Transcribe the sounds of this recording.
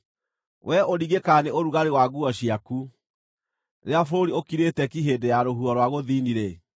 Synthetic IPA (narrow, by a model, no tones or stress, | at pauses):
wʔɛʔoɾiɣekaneoɾuɣaɾewaɣuɔɕiaku | ɾeafoɾoɾiokiɾetɛkiɦeːdejaɾoɦuɔɾwaɣoðiːniɾe